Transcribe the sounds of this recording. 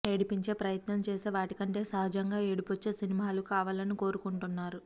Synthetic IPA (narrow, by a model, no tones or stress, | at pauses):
e̞ɽipiɲt͡ʃe̞ːpɾɐjɐt̪nɐmt͡ʃeːseːʋaːʈikɐɳʈe̞ːsɐɦɐd͡ʒɐŋɡaːeɽipot͡ʃːe̞ːsinimaːlukaːʋaːlɐniko̞ːɾukuɳʈunːaːɾu